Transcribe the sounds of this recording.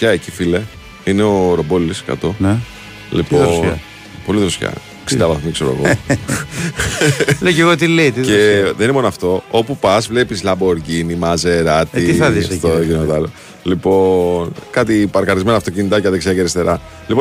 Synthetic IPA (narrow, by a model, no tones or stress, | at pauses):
pçɐecifile | ineoɾo̞bo̞liskɐ̰t̪o̞n | lḭpoð | po̞liðɾosçɐ̰ | ksiid̪ɐvɐθmikseɾoḛɣo | leceɣot̪ilet̪iðeðeninimo̞noɐft̪o̞opupɐzvlepislɐboɾɡinimɐzeɾɐt̪iiðist̪oʝint̪oɐlo | lipo̞nkɐt̪ipɐɾkɐɾizme̞noɐft̪o̞cinit̪ɐceɐðeksiɐceɾist̪e̞ɾɐ | lipon